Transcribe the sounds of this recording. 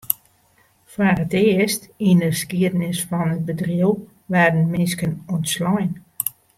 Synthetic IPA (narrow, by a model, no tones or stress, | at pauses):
fwarətɪəstindəskiədənɪsfɔnət̚bədriəw | ʋɛdən̩mɪnskənɔntslɔjn